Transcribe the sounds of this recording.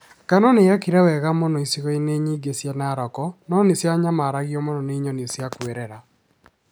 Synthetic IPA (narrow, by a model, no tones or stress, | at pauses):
kanɔneakiɾɛwɛɣamɔnɔisiɣɔineɲiːɡesjanaɾɔkɔnɔnesjaɲamaɾaɣjɔmɔnɔneiɲɔnisjakweɾɛɾa